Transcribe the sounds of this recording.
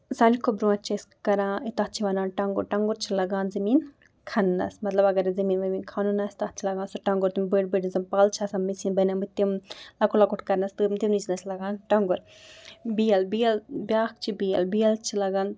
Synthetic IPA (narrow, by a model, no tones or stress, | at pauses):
saːnd͡ʒikʰobɾũɐt͡ʃʰɐskɐɾãːit̪at̪̚t͡ʃʰiʋɐnaːnʈɐŋɡṵɾʈɐŋɡuɾt͡ʃʰilɐɡaːnzɐmiːn | kʰɐnːɐ̰smɐt̪lɐbɐɡɐɾzɐmiːnʋɐmiːnkʰaːnunɐst̪ɐt̪̚t͡ʃʰilɐɡãːnsuʈɐŋɡuɾt̪umbəʈbɨɖinzɐmpaːlt͡ʃʰasɐmmːisiːnbɐnʲɐmɨt̪imlɐkulɐkuʈkɐɾnɐst̪ɨmt̪imnit͡ʃnɐsʰlɐɡaːnʈɐŋɡʊɾ | bijɐlbijɐlbjaːk̚t͡ʃʰibijɐlbijɐlt͡ʃʰilɐɡaːn